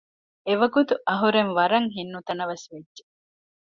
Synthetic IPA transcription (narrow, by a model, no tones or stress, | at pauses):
eʋɐɡut̪uʔɐɦuɾenʋɐɾɐŋɦinːut̪ɐnɐʋɐsʋedːe